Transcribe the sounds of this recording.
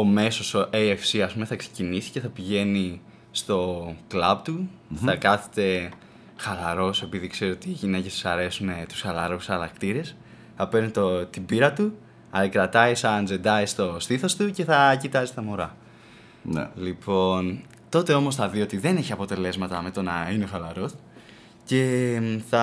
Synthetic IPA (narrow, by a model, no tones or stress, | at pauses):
o̞me̞so̞soʔejefsiɐspume̞θɐksecinisi̥ce̞θɐpiʝe̞ni | st̪o̞klɐbt̪uθɐkɐθe̥t̪e̞ | xɐlɐɾo̞se̞piðikse̞ɾiot̪iːʝine̞cest̪i̥sɐɾe̞sume̞t̪u̥sxɐlɐɾusɐlɐkt̪iɾe̞s | θɐpe̞ɾnit̪ot̪ibiɾɐt̪u | ɐkɾɐt̪ɐisɐnd͡ze̞nd̪ɐist̪o̞st̪iθost̪uce̞θɐcit̪ɐzist̪ɐmo̞ɾɐ | n̰lipo̞n | t̪o̞t̪e̞o̞mo̞sθɐðio̞t̪iðe̞ne̞çiɐpo̞t̪e̞le̞zmɐt̪ɐme̞t̪onɐinexɐlɐɾo̞s | ce̞θɐ